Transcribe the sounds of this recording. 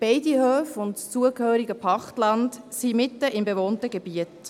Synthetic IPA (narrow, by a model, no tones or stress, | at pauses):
b̥ɛɪdihøːfʊntst͡suəkhøːɾiɡəpʰɑχtlɑnd | simɪtːəɪmbevoːntəɡeb̥iət